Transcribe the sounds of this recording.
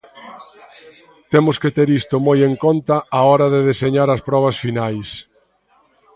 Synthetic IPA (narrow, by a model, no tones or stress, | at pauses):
t̪emʊsket̪eɾist̪ʊmojeŋkont̪ɐaɔɾɐðeðeseɲaɾɐspɾɔβ̞ɐsfinajs